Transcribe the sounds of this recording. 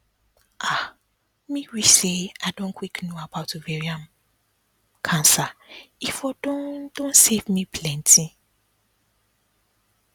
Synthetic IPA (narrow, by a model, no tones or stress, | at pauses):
ʔa | mĩɹiseadɔ̃nkʰwiknoabaʊtovɛɹiãm | kʰãnsaifɔdɔ̃dõnsevmĩpʰlɛ̃ntʰĩ